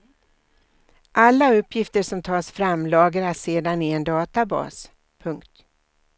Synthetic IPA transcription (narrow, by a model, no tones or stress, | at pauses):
ʔalːaɵpːjɪft̪əʂɔmt̪ʰɑːsfɾamlɑːɡaɾaseːd̪anɪɛnd̪ɑːt̪abɑ̰ːs | pʰɵŋkt̪